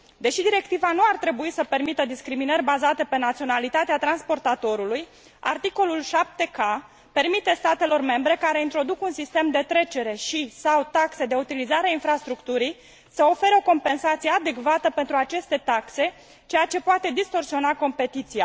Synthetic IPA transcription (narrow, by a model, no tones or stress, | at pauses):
d̪e̞ʃid̪iɾe̞kt̪ivanuart̪ɾe̞buisəpe̞rmit̪əd̪iskɾiminərʲbazat̪e̞pe̞nat̪sio̞nalit̪at̪eat̪ɾanspo̞rt̪at̪o̞ɾuluj | a̰rt̪iko̞lulʃap̚t̪e̞ka | pe̞rmit̪e̞st̪at̪e̞lo̞rme̞mbɾe̞kaɾe̞int̪ɾo̞d̪ukunsist̪e̞md̪e̞t̪ɾe̞t͡ʃe̞ɾe̞ʃisawt̪akse̞d̪e̞ut̪ilizaɾeainfɾast̪ɾukt̪uɾij | səo̞fe̞ɾeo̞ko̞mpe̞nsat̪sije̞ad̪e̞kvat̪əpe̞nt̪ɾuat͡ʃe̞st̪e̞t̪akse̞ | t͡ʃe̞jat͡ʃe̞poat̪e̞d̪ist̪o̞rsio̞nako̞mpe̞t̪it̪sija